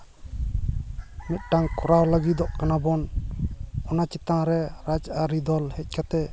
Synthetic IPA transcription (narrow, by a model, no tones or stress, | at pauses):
mit̪̚ˀʈaŋkɔɾawləɡid̪ɔʔkanabɔn | ɔnat͡ʃit̪aŋɾɛɾad͡ʒaɾid̪ɔlhɛc̚ˀkat̪ɛ